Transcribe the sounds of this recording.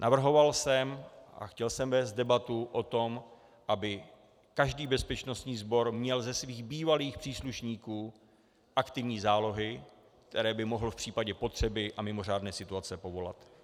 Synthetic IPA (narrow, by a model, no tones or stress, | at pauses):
nʔavr̩ɦo̞valsɛmʔa̰xcɛlsɛmvɛːst̪̚dɛbat̪uʔo̞t̪o̞m | ʔabɪ | kaʒdiːbɛspɛt͡ʃno̞st̪ɲiːzbo̞ɾmɲɛlzɛsviːɣbiːvaliːxpr̝̥iːsluʃɲiːkuː | ʔakt̪ɪvɲiːzaːlo̞ɦɪ | k̚t̪ʰɛɾɛːbɪmo̞ɦl̩fpr̥iːpaɟɛpo̞t̪r̝̥ɛbɪʔamɪmo̞r̝aːdnɛːsɪt̪uat͡sɛpo̞vo̞la̰t̪